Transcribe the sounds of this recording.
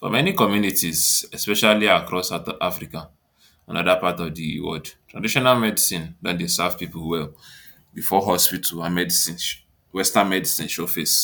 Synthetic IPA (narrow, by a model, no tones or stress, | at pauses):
fɔ̰mɛnikɔmjunitizɛspɛʃaliakɹɔsata̰fɾika | ã̰nɔ̰dapatɔvdiwɔ̰dtɹadiʃɔnalmɛdisĩndɔ̃ndesavpipulwɛl | bifɔɦɔspitʰuamɛdisĩ | wɛstãnmɛdisĩnʃɔfes